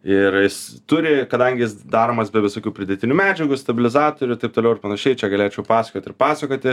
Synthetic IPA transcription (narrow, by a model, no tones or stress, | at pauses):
ɪrjɪst̪ʊɾʲɪkɐd̪ɐŋʲɡʲɪjɪsd̪ɑːɾoːmɐsbʲɛʋʲɪsoːkʲuːpʲɾʲɪd̪ʲɛt̪ʲɪnʲuːmʲæːd͡ʒʲɛɡʊst̪ɐbʲɪlʲɪzɑːt̪oːɾʲʊɪt̪ɐɪp̚t̪olɛʊɪɾpɐnɐʃʲɛɪt͡ʃʲɛɡɐlʲeːt͡ʃʲɛʊpɑːsɐkʲoːt̪ʲɪrpɑːsɐkʲoːt̪ʲɪ